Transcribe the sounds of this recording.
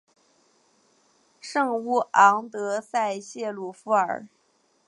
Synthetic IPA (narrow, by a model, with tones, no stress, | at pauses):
ʂɤ˥˧ŋu˥˩ɑ˧˥ŋt̪ɤ˧˥sa˥˧ɪɕjɛ˥˧lu˨˥˩fu˧˥ə̰˞˨˩˦